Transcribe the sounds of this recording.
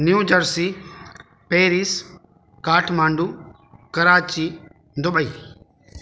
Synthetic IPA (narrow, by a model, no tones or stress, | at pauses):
njuːd͡ʒəɾsi | peːɾis | kaːʈʰmãːɳɖuː | kɐɾaːt͡ʃiː | d̪ʊɓəiː